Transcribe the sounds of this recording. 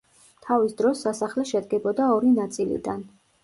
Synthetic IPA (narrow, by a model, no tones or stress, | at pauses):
t̪ʰavisd̪ɾɔsːasaχlɛʃɛd̪ɡɛbɔd̪aɔɾinat̪sʼilḭd̪an